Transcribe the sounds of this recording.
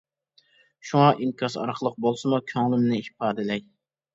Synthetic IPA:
ʃuŋɑʔiŋkʲʰɑsɑ̰ɾqʰəlˠəq̚bolˠsɨmukʲʰøŋlˠɪmnɪhpʰɑːd̪ɨlɛj

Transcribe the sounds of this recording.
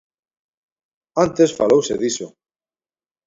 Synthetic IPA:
ant̪e̞sfalowsḛðiso

